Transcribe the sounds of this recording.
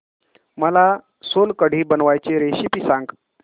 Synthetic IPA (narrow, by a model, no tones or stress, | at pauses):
məla | solkəɽ̤ʱiːbənʋajt͡ɕeɾeɕipisãŋɡ